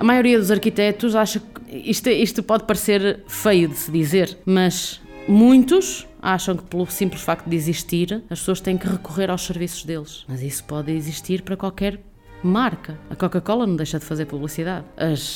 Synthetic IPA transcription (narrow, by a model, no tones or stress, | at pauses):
ɐmajuɾiɐðuzɐɾkit̪ɛt̪uzaʃɐkiʃt̪ɛiʃt̪upɔðpɐɾseɾfejuðɨsɨðizeɾmɐʃ | mũj̃t̪uʃ | aʃɐ̃w̃kɨ̥pɨlˠusĩmplˠʃfak̚t̪ud̪iziʃt̪iɾɐʃpsoɐʃt̪ɐ̃jẽkɨʁɨkuʁeɾawʃsɨɾvisu̥ʒðelˠʃmɐzisu̥pɔðiziʃt̪iɾpɐɾɐkwalˠkɛɾ | maɾkɐɐkɔkɐkɔlˠɐnɐ̃w̃d̪ejʃɐðɨfɐzeɾpuβlˠisiðaðɐʃ